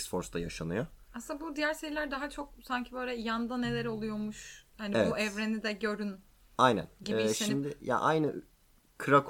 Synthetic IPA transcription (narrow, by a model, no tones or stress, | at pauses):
sfo̞ɾsd̪ajaʃanɯjoasɯnabud̪ijæɾse̞ɾilʲæɾd̪aɦat͡ʃʰo̞k̚saɲcʰibøːlʲɛjand̪ane̞lʲeɾo̞lˠujo̞muʃhanievuʔɛvɾenid̪ɛɟø̞ɾyn | ajnæ̰nɟiiiʃimd̪ɪja̰ʔajnɯ | kʰɯɾakʰ